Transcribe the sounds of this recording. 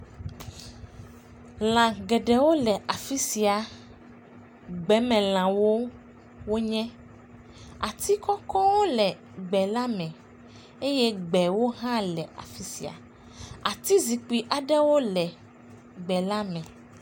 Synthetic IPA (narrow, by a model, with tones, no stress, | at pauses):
l̃ã˨ɡɛ˨ɖɛ˨wo˦lɛ˨ʔa˨fi˦si˨a˨ | ɡ͡bɛ˨˦mɛ̃˨l̃ã˨wo˦ | wo˦ɲɛ̃˦ | a˨t̪ʰi˦kɔ˦kɔ̃˦wo˦lɛ˨ | ɡ͡bɛ˨la˦mɛ̃˨ | e˦je˦ɡ͡bɛ˨wo˦ɦã˦lɛ˨ʔa̰˨fi˦si˨a̰˨ | a˨t̪i˦zi˨k͡pi˨ʔa˨ɖɛ˦wo˦lɛ˨ | ɡ͡bɛ˨la˦mɛ̃˨